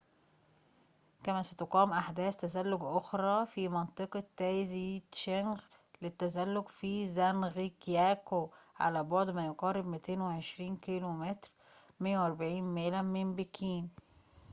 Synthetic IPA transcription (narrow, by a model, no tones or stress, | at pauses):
kæmæsæt̪oqɑːmʔaħd̪æːst̪æzælːoɡʔoxɾˤɑːfiːmɑnt̪ˤeqɑt̪ːæzit̪ʃænx | let̪ːæzælːoɡfizænɣikjæːkoʕa̰læbɑʕd̪ˤmæjoɡɑːɾˤebmɪt̪eːnweʕeʃɾiːnkilomet̪ɾ | mejːæwʔɑɾˤbaʕiːnmeːlæmɪnbikʰiːn